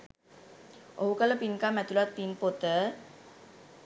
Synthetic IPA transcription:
ʔoukaləpinkamɛt̪ulat̪̚pinpot̪ə

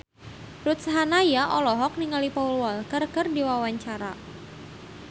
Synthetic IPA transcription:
rut̪sɦanajaʔɔlɔɦɔk̚niŋalipaulwalkərkərdiwawaɲt͡ʃaɾa

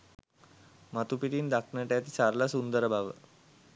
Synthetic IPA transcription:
mat̪upiʈ̪iːnd̪akʰɳəʈjat̪it͡saɾlasund̪əɾbʱaʋə̰

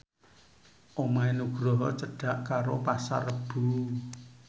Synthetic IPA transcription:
ʔomaenuɡ̥ɾɔɦɔ̰t͡ʃəɖ̥ä̤ʔkaɾopasa̰rəb̥ṳ

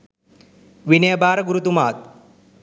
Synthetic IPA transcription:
ʋinɐjɐbaːɾɐɡuɾut̪umaːt̪̚

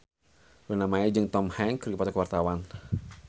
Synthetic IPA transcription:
lunamaid͡ʒɨŋt̪ɔmhɛŋkɨrkipadakəwart̪awan

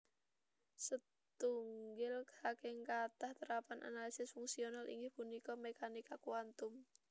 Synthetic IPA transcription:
sə | t̪uŋɡɪlksakɛŋkat̪aht̪əɾapanʔa̰nalisɪsfuŋsionalʔḭŋɡɪhpunikɔmekanikakuant̪ʊm

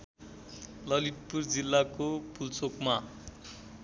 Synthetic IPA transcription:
lʌlit̪̚purd͡zilːakopult͡sokma

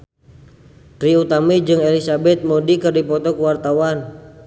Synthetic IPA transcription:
t̪ɾiut̪amid͡ʒɨŋelisabɛt̪̚modikɨrdipɔt̪ɔkəwart̪awan

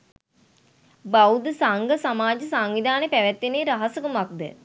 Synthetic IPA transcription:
bawd̪əsaŋɡəsamaːd͡ʒəsaŋʋid̪ʱaːnepæʋɛt̪ːeneːɾaɦɐsəkumak̚d̪ə̰

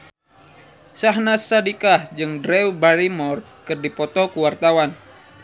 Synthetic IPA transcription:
saɦnasadikahd͡ʒɨŋdɾɛwbalimɔr | kɨrdipɔt̪ɔkuwart̪awan

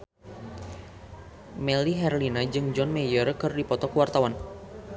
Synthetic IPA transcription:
mɛliɦɛrlinad͡ʒɨŋd͡ʒɔnmɛjɔrkɨrdipɔt̪ɔkəwart̪awan

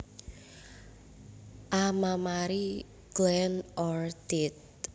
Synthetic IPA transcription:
ʔamamaɾi | ɡ̥lɛnɔrt̪it̪̚

